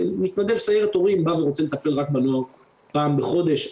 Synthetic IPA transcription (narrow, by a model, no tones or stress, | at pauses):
mit̪mad̪evsajeʁet̪oʁimbaveʁot͡selet̪ape̞lʁak̚banoaʁ | paːmbeχo̞d̪eʃ